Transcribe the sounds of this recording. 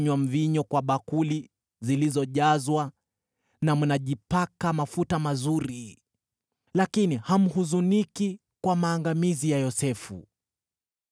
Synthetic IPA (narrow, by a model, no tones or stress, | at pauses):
ɲwam̩viɲɔkwaɓakuli | zilizɔʄazwa | namunaʄipakamafutamazuɾi | lakiniham̩huzuniki | kwamaːŋɡamizijajɔsɛfṵ